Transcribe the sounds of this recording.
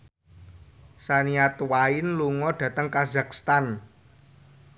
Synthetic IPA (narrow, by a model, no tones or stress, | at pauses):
saniat̪waɪnluŋɔɖ̥ä̤t̪əŋkazakst̪an